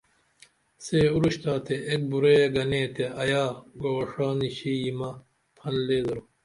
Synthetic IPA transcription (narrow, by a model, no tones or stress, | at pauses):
seːuɾuɕt̪aːt̪ʰeek̚buɾeɡɐneːt̪ʰeɐjaːɡoːʂaːniɕijimɐ | pʰɐnleːd̪ɐɾo